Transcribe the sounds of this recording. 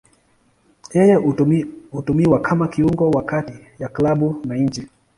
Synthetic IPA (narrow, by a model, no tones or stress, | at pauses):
jɛjɛ | hutumiwakʰamakiuŋɡɔwakati | jaklaɓunaɲ̩d͡ʒi